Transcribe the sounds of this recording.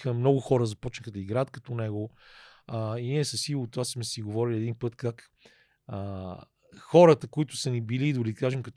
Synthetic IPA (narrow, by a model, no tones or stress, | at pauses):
xəmnɔɡʊxɔɾəzɐpɔt͡ʃnəxəd̪ɐiɡɾaət̪kɐt̪ɔnɛɡo | əiniɛsɐsilˠot̪ːvasmɛsiɡovɔɾiliɛd̪inpɤt̪kak | ə | xɔɾət̪əkoit̪ʊ̥sɐnibilid̪olid̪kaʒɛmkɐt̪